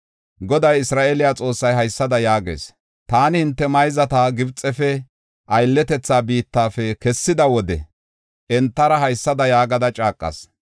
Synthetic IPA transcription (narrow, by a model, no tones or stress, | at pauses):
ɡɔd̪ɐjɪsɾaːʔelɪjaːt͡sʼo̞ːsːɐjɦɐjsːɐd̪ɐjaːɡḛːs | t̪aːnɪhɪnt̪ːɛmɐjzɐt̪aːɡɪbt͡sʼːɛfɛ | ʔɐjlːɛt̪ɛt͡sːaːbiːt̪ːaːfɛkɛsːɪd̪ɐwɔd̪ɛ̰ | ʔɛnt̪ːɐɾɐɦɐjsːɐd̪ɐjaːɡɐd̪ɐt͡ʃʼaːkʼːɐ̰s